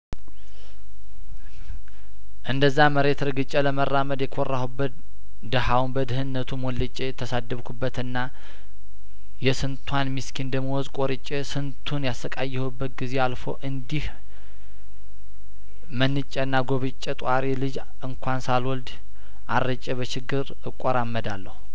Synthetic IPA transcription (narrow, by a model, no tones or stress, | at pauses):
ʔɨnd̪əzːaməɾe̞t̪ɾɨɡɨt͡ʃʼːɛləmərːaməd̪jɛkʰɔrːahubːət̪ | d̪əhawnbəd̪ɨhɨnːət̪ʰumɔlːət͡ʃʼːet̪ʰːəsad̪ːəβkʰubːət̪ɨnːa | jɛsɨnt̪ʰwanmiskʰind̪əmːəwɔzkʼɔɾɨt͡ʃʼːesɨnt̪ʰunjasəkʼajːɛhɨbːət̪̚ɡize̞alfo̞̰ʔɨnd̪ih | mənːɨt͡ʃʼːɛnːaɡoβɨt͡ʃʼːɛt̪ʼwaɾelɨd͡ʒ | ɨŋkʰʷansalwɔld̪ | ʔarːət͡ʃʼːɛβət͡ʃɪɡːɨɾ | ɨkʼːoɾamːəd̪alːəhu